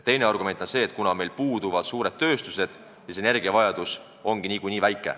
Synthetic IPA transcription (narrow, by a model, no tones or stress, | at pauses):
t̪e̞jneɑrɡ̥ume̞nt̪o̞nse̞ːt̪̚kunɑme̞jlpuːd̪̥uvɑd̪̥suːɾe̞d̪̥̚t̪ø̞ːst̪use̞d̪̥ | sise̞ne̞rɡ̥iɑvɑjɑd̪̥us | o̞ŋɡ̥iniːkujniːvæjkːˑḛ